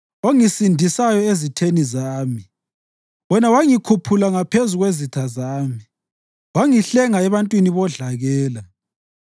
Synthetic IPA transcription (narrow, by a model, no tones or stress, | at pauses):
oŋisindʱisajɔezitʰenizaːmi | βɔnawaŋikʰupʰulaŋapʰezuɣwezitʰazaːmi | waŋiɬɛŋaɛβantʼwiniβɔɮaɣɛːla